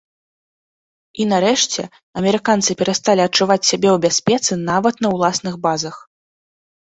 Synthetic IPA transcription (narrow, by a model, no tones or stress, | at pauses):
inaɾɛʂt͡sʲɛ̰ | ɐmʲɛɾɨkant̪sɨpʲɛɾɐst̪alʲiɐt͡ʂuvat͡sʲsʲabʲɛwbʲasʲpʲɛt̪sɨnavɐt̪nɐwlˠasnɨɣbazɐx